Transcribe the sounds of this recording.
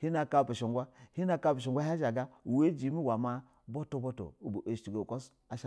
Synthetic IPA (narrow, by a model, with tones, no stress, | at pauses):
hi˦na˨ka˦˨be˨ʃo˨ŋɡʷa˦hi˦na˦ka˦˨pe˨o˨ŋɡʷa˦hʃa˨ɡa˦u˨we˦d͡ʒi˨˦mi˦wa˨ma˦ | bo˦to˦bo˦to̰˨u˨bo˨ʔe˨i˨ɡo˨ko˦s | a˦ʃa˦